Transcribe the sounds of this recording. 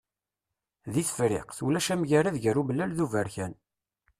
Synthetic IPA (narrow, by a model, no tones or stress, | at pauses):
ðiθə̥fɾɪ̰qθulæʃæmʝæɾæðʝəruməlːælðuvæɾçæn